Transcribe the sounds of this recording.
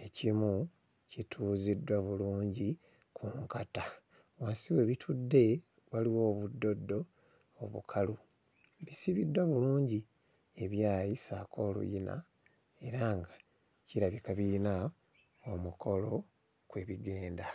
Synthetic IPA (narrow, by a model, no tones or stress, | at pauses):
e̞cimu | citʰuːzidwaβuluːɲɟi | kʰuŋkata | waːnsiwe̞βitʰudːe̞ | waliwo̞ːβudːo̞dːo̞ː | βṵkʰalu | βisiβidwaβuluːɲɟi | e̞βjaːjisaːkʰo̞ːlṵjina̰ | e̞ɾaŋɡa | ciɾaβikaβiɾina | omukʰo̞lo̞ | kwe̞βiɡe̞ːnda